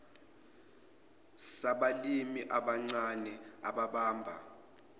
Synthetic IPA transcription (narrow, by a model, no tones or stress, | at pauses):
saɓalimiʔaɓaŋ͡ǀanɛaɓaɓaːmbʱa̰